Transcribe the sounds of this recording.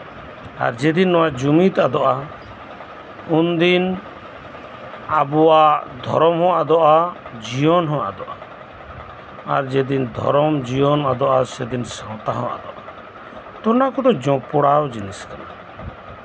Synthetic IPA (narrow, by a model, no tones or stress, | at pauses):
a̰ɾd͡ʒɛd̪inːɔwad͡ʒumit̪ad̪ɔʔa | und̪in | abɔwaʔd̪ʱɔ̰ɾɔmhɔ̃ʔad̪ɔʔad͡ʒijɔnɦɔ̃ʔa̰d̪ɔʔa | a̰ɾd͡ʒɛd̪ind̪ʱɔ̰ɾɔmd͡ʒijɔnad̪ɔʔasɛd̪insãw̃t̪aɦɔ̃ʔa̰d̪ɔʔaa | t̪ɔnakɔd̪ɔd͡ʒɔ̃pɔɽawd͡ʒiniskana